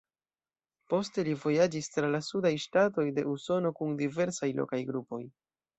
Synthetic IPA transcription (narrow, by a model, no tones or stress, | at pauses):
po̞ste̞livo̞jad͡ʒistɾalasudajʃtato̞jde̞ʔuso̞no̞kundive̞ɾsajlo̞̰kajɡɾupo̞j